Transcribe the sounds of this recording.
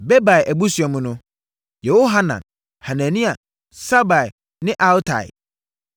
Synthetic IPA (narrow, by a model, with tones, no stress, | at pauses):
be˦ba˨jʔæ˨bu˦sɥɛ˨mʊ̃˦nʊ̃˦ | jo˨wo˦ɦa˦nã̰˨n | ha˨nã˨nĩ˦a˨ | sa˦ba˨i˨ | nɪ̃˦ʔa˦ltʰa̰˨ɪ̰˨